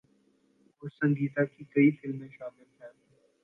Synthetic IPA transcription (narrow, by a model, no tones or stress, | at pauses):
ʊsə̃ŋɡiːt̪akikəifɪlmẽʃaːmɪlt̪ʰɛt̪ː